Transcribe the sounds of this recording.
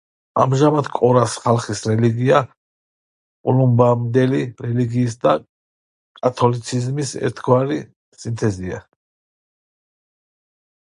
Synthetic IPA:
a̰mʒamad̪kʼɔɾasχalˠχisɾɛliɡia | kʼulumbamd̪ɛliɾɛliɡiːs̬d̪a | kʼat̪ʰɔlit̪sʰizmisɛ̰ɾt̪ʰɡwaɾi | sint̪ʰɛzia̰

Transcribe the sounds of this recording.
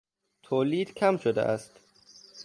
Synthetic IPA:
t̪ʰoːliːd̪̥kʲʰæmʃod̪ḛʔæst̪

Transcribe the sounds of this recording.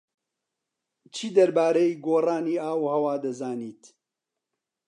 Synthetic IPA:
t͡ʃʰiːd̪ɐɾbaːɾeiɡoːraːniːaːwhɐwaːd̪ɐzaːniːt̪

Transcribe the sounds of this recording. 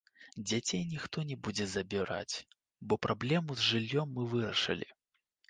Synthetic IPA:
d͡zʲat͡sʲejnʲixt̪ɔnʲɛbud͡zʲɛzɐbʲiɾa̰t͡sʲ | bɔpɾʔablʲɛmuzʐɨlʲːɔmːɨvɨɾɐʂɨ̰lʲḭ

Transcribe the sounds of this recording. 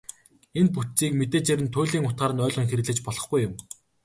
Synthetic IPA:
enput̪t͡siːkmet̪eːt͡ɕæɾʲɘ̆nt̪ʰʊːɮiːŋʊt̪ɢaːɾə̆nœːɮʁɞ̆ŋxeɾɘ̆ɣɮɘ̆t͡ɕpɔɮɞ̆χɡujːʊm

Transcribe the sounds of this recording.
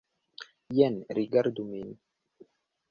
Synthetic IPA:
jɛnɾiɡaɾd̪umin

